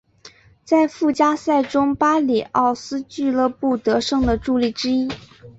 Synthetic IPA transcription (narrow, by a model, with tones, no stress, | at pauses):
t͡sa˥˧ɪfu˥˩t͡ɕja˥sa˥˩ɪʈ͡ʂʊ˥ŋpa˥li˨˩ɑ˥˩ʊsɹ̩˥t͡ɕy˥˧lɤ˥˧pu˥˩t̪ɤ˧˥ʂɤ˥˩ŋd̪ə˨ʈ͡ʂu˥˧li˥˩ʈ͡ʂɻ̩˥i˥